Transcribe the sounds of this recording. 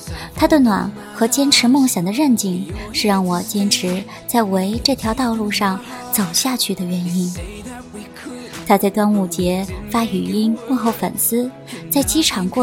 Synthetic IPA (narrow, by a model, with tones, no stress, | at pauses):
t̪ʰa˥d̪ə˨nwa̰˨˩n | xɤ˧˥t͡ɕjɛ˥nʈ͡ʂʰɻ̩˧˥mɤ˥˩ŋɕjɑ˨˩ŋd̪ə˦ɻə˥˧nt͡ɕi˥˩ŋʂɻ̩˥˧ɻɑ˥˩ŋwɔ˨˩t͡ɕjɛ˥nʈ͡ʂʰɻ̩˧˥ | t͡sa˥˩ɪwe˧˥ɪʈ͡ʂɤ˥˩t̪ʰjɑ˧˥ʊt̪ɑ˥˧ʊlu˥˧ʂɑ˥˩ŋ | t͡so˨˩ʊɕja˥˧t͡ɕʰy˥˩d̪ə˩ɥɛ˧˥ni˥n | t̪ʰa˥t͡sa˥˧ɪt̪wa˥nu˥˩t͡ɕjɛ˧˥fa˥y˨˩i˥nmu˥˧xo˥˩ʊfə̰˨˩nsɹ̩˥ | t͡sa˥˩ɪt͡ɕi˥ʈ͡ʂʰɑ˨˩ŋkwɔ˥˩